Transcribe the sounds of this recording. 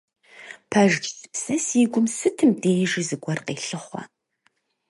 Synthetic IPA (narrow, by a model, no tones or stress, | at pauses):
pʰɐʒd͡ʒsɨ̥psɐsiːɡʷʊmsɨtʰɨmdeːjʒizɨɡʷɔrqeːɬɨχʷɐ̰